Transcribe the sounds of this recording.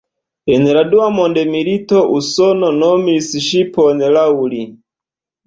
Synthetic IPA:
ɛnɛɾaduwamɔndɛmiɾitɔʔusɔnɔnɔmisiʃipɔnɛlauli

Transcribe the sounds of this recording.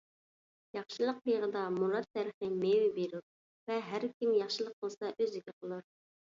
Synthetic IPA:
jɑχʃɨlˠəq̚beʁəd̪ɑmuɾɑt̪ʰːæɾəχɨmewɪbeɾuɾ | vɛɦæɾkʲʰimjɑχʃɨlˠəq̚ːəlˠsɑʔøzɪkʲɛqʰəlˠuɾ

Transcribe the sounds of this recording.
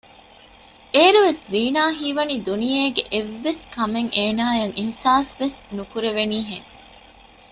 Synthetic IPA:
ʔeːɾuʋesziːnaːɦiːʋɐniːd̪unijeːɡeʔeʋːeskɐmeŋʔeːnaːjɐŋʔihsaːsʋesnukuɾeʋeniːɦeŋ

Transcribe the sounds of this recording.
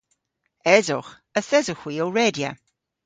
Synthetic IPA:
ɛzʊ̰χ | əθɛzʊχw̥iːowɹeːdja̰

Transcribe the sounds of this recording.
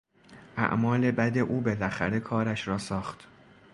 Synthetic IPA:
ʔæ̰ʔmɒːle̞bæd̪e̞ʔuːbe̞læxæɾe̞kʰɒːɾæʃɾɒːsɒːχt̪

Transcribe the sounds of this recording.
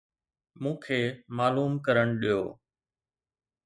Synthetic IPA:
mũːkʰeːmaːluːmkəɾəɽ̃ɗijo̰ː

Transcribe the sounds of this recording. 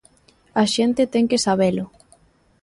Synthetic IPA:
aʃent̪ɪt̪ɛŋkesaβ̞elʊ

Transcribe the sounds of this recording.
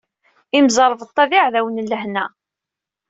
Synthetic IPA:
imzˤɑɾˤvt̪ˤːɑvɪʕðæwənlːəhnæ

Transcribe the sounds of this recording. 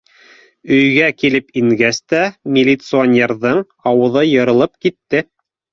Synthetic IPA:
ɵ̆jɡækilɘpiŋɡæst̪æmʲɪlʲit̪sɨonʲeɾðɤɴ | ɑwɤ̆ðɤjɤ̆ɾɤ̆lˠɤp̚kit̪ːɘ

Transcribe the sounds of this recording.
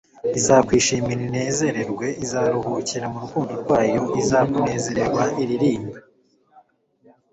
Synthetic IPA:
izakwiːʃiːmiɾine̞ːze̞ɾe̞ɾɡwe̞ʔizaɾuhuciɾamuɾukuːndoɾɡwaːjo̞ʔizakune̞ːze̞ɾe̞ɾwaʔiɾiɾiːmba

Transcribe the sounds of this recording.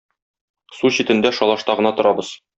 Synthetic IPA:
suɕit̪ɘ̆nd̪æʃɒlˠɑʃt̪ɑʁɤ̆nɑt̪ŏɾʔɑbɤz̥

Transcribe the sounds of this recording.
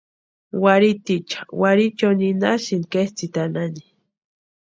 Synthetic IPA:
waɾit̪it͡ʃḁwaɾit͡ʃoninaʃinkest͡sit̪anani

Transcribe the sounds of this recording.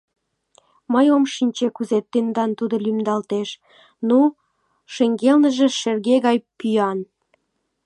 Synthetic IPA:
məjomʃinʲt͡ɕekuzet̪ːend̪ɑnt̪ud̪olymd̪ɑlt̪eʃ | nu | ʃeŋɡelnəʒĕʃerɣeɣɑjpyjɑn

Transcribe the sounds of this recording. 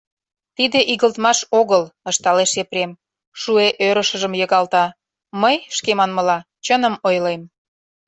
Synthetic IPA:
t̪id̪eʔiɣəlt̪mɑʃoɣələʃt̪ɑleʃepɾem | ʃueʔøɾəʃə̆ʒəmjəɣɑlt̪ɑ | məjʃkemɑnməlɑ | t͡ɕənəmojlem

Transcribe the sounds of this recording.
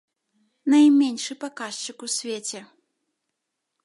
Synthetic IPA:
najmʲenʲʂɨpakaʂt͡ʃɨkusʲvʲet͡sʲɛ

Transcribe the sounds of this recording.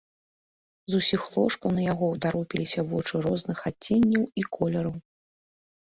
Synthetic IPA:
zusʲixlˠɔʂkɐwnɐjaɣɔwt̪aɾɔpʲilʲisʲɐvɔt͡ʂɨɾɔznɨxat͡sʲːɛnʲːɐwikʰɔlʲɐɾɐw

